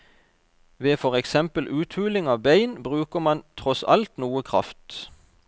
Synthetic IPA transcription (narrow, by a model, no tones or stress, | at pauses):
ʋeːfɔʁɛksɛmpəlʔʉːt̪ʰʉːlɪŋɑːʋbeɪnbʁʉːkəmɑnt̪ʰʁɔsɑ̰lt̪nuːəkʰʁɑ̰ft̪